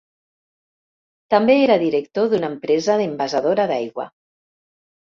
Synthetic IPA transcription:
t̪ambeeɾaðiɾek̚t̪oðunaempɾɛzaðembazaðoɾaðajɣwa̰

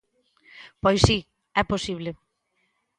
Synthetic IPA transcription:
pɔjsi | ɛposiβle

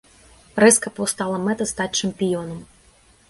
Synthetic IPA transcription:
ɾɛskɐpɐwst̪alˠɐmɛt̪ɐst̪atʲt͡ʂɐmpʲijɔnɐm

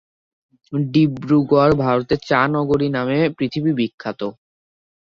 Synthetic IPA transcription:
ɖibɾuɡoaɾbʱaɾot̪eɾt͡ɕanɔɡoɾinamepɾit̪ʰibibikʰːat̪o

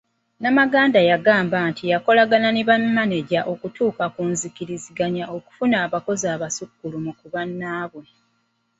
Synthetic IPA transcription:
namaɡaːndajaɡaːmbaːntʰijako̞laɡananiβamːaneɟaʔo̞kutuːkakuːnzikiɾiziɡaɲaʔo̞ku̥funaːβako̞zaːβasukːulumukuβanːaːβo

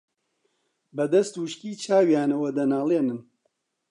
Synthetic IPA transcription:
bɐd̪ɐst̪wuʃkiːt͡ʃʰaːwjaːnɐwɐd̪ɐnaːlˠeːnɨn

